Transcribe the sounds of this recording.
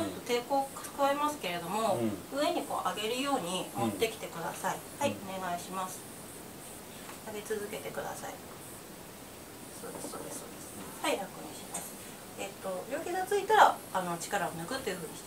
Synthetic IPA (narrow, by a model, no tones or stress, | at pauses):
t̪ːot̪e̞ːko̞̥ːkaβaemasɨ̥ke̞ɾe̞d̪o̞mo̞ɯ̟e̞ɲ̟iko̞̰ːʔaɡe̞ɾɯ̟jo̞ːɲ̟imo̞t̪ːe̞kʲi̥t̪e̞kɯ̟d̪a̰saihaione̞ɡaiɕimasɨ̥ | aɡe̞t͡sɨzɨke̞t̪e̞kɯ̟d̪a̰saḭ | so̞̰ːd̪esɨ̥o̞̰ːd̪e̞sso̞̰ːd̪e̞sɨ̥haiɾakɯ̟ɲ̟ḭɕimasɨ̥ | e̞t̪ːo̞bʲo̞ːkʲiɡat͡sɨit̪aɾaːno̞t͡ɕi̥kaɾaonɯɡɯ̟t̪ːe̞jɯ̟ɸɯ̟ːɲ̟i̥